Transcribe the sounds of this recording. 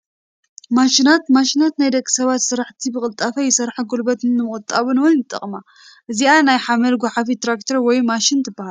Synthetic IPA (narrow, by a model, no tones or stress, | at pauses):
maʃinat̪maʃinat̪najd̪ɐkʼːi̥sɐβat̪sɨɾaħt̪ʰibɨkʼɨlt̪ʼafɐjɪsɐɾħaɡolbɐt̪ʰɨnːɨmɨχʼɨt̪ʼaβɨnwɔnjɨt̪ʼːɐ̰χʼma | ʔɨzianajħamɐlɡʷɔħafit̪ɾakt̪ʰɐɾwɔjmaʃint̪ʰɨbːahal